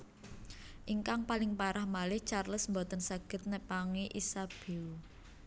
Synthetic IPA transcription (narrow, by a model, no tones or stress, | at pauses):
ʔiŋkaŋpalɪŋpaɾahmalɪht͡ʃarləsmbɔt̪ənsaɡ̥ə̤t̪̚nəpaŋiʔisab̥e̤u